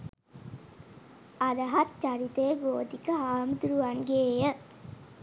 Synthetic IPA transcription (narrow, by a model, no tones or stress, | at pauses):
ad̪əɦat̪t͡ʃaɾit̪ejəɡoːd̪ikəɦaːməd̪uɾuʋanɡeːjə